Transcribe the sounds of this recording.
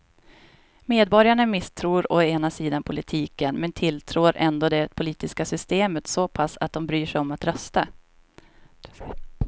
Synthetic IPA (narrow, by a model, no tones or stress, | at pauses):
meːd̪̚bɔɾjaɳamɪst̪ʰɾuːɾɔeːnasiːd̪anpʰʊlɪt̪ʰiːkənmɛnt̪ʰɪlt̪ʰɾoːɾʔɛ̰nd̪oːd̪ɛpʰʊliːt̪ɪskasʏst̪eːmət̪sɔpʰasːa̰t̪̚d̪ɔmbɾyːʂɛjɔmat̪ɾœst̪a